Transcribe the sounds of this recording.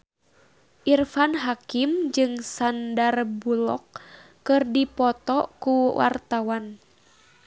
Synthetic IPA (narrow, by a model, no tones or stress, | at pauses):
ʔirfanɦakimd͡ʒɨŋsandarbulɔ̰kː | ɨrdipɔt̪ɔkuwa̰rt̪awan